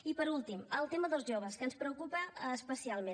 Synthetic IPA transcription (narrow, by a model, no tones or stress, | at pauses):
ipəɾulˠt̪iməlˠt̪eməðəlˠzʒoβ̞əskənspɾəukupəːspəsialˠmẽ